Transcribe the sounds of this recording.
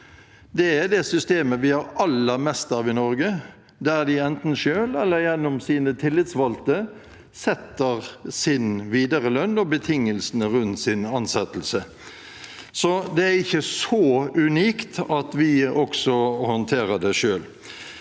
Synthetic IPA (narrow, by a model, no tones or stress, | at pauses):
d̪ɛæd̪ɛsʏst̪eːməʋɪhɑɾɑlːəmɛst̪ɑʋɪnɔɾɡə | d̪æɾd̪ɪɛnt̪n̩ʃøːlɛlːəɾjɛnːɔmsiːnət̪ʰɪlːɪt̪sʋɑlt̪ə | sɛt̪ːəʁsɪnʋiːd̪əɾəlœnːɔbət̪ʰɪŋːəlsənəɾʉnt̪sɪnɑnsɛt̪l̩sə | sɔd̪ɛæɾɪçːəsɔʉniːkt̪ɑt̪ʋɪɔksɔhɔnt̪ʰeːɾəd̪ɛʂøːl